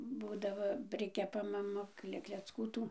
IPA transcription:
ˈbuːdɐʋoː ˈpʲrʲɪkʲɛpɐ mɐˈmɐ ˈklʲɛ klʲɛt͡sˈkuː ˈtuː

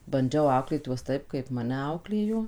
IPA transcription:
bɐnʲˈd͡ʒʲɛʊ ˈɐʊklʲeːt ˈjuɔs ˈtɐɪp kɐɪp ˈmɑːnʲɛ ˈɐʊklʲeːjoː

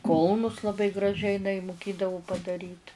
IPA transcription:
ˈkʊlˠnʊs lˠɐˈbɐɪ ɡrɐˈʒʲɛɪ ɪˈnɐɪ mʊˈkʲeːdɐʋoː pɐdɐˈrʲiːt

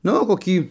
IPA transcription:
ˈnʊ koːˈkʲiː

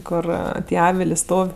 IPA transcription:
ˈkʊr ˈtʲiɛ ˈɑːʋʲɪlʲeː ˈstoːw

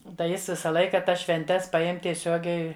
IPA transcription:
tɐɪ ˈjɪs ˈʋʲɪsɐ ˈlˠɐɪkɐ ˈtɐs ʃʲʋʲɛnʲˈtʲɛs pɐˈjɛm tʲiɛˈsʲoːɡʲɛɪ

